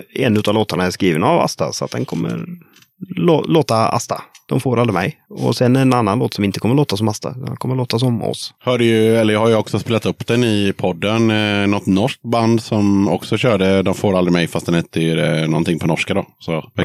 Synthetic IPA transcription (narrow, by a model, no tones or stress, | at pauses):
ɛnːʉ̟t̪aːvloːt̪aɳaæskɾiːvənava̰st̪a̰sɔa̰t̪̚d̪ɛnkʰɔmːə̰ɾ | loloːt̪aa̰st̪ad̪̥ɔmfoːɾald̪ɾɪmɛjɔ̰sɛnɛnanːanloːt̪sɔmɪnt̪əkʰɔmːəɭloːt̪as̬ɔmast̪a̰d̪kʰɔmːəɭoːt̪as̬ɔmɔ̰shœːɖəjɵɛlːəɾhaɾjəɔksɔspeːlat̪ɵpːd̪̥ɛnɪpʰɔd̪ːənnɔt̪nɔʂk̚t̪̚band̪sɔmɔksɔɕœːɖəd̪ɔmfoːɾald̪ɾɪmɛjfast̪d̪ɛnhɛt̪ʰːəɾɛnɔnt̪ɪŋːpʰɔnɔʂkad̪ɔːsɔɛ